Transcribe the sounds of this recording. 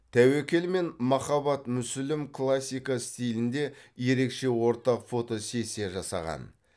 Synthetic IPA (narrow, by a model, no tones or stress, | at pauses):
t̪ʰæwe̞kʲe̞lme̞nmɑχɑbɑt̪mʏsʏlɪmkʰlˠasʲːijkɑst̪ʲijlɪnd̪e̞je̞ɾe̞kʃe̞wo̞ɾt̪ɑqfo̞t̪o̞se̞se̞ʒɑsɑ̰ʁɑ̰n